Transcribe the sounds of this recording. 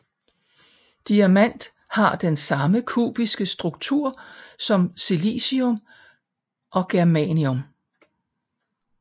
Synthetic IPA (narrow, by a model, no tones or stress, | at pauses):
d̥iæmæn̰d̥ | hɑ̈d̥ensɑ̈məkʰṵːb̥isɡ̥əsd̥ʁuɡ̥̚t͡sʰuɐ̰sɒ̽msilḭsiom | ʔɒ̽ɡ̥eɐmɛniom